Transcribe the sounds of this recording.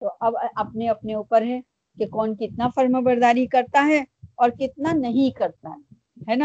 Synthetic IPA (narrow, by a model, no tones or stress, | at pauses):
t̪oʔɐbʔɐp̚neɐpneuːpəɾɦɛ | kekɔːnkɪt̪nafɐɾməbɐɾd̪aːɾikɐɾt̪aɦɛɔːɾkɪt̪̚nanɐɦĩkɐɾt̪a̰ɦɛ | ɦɛnaː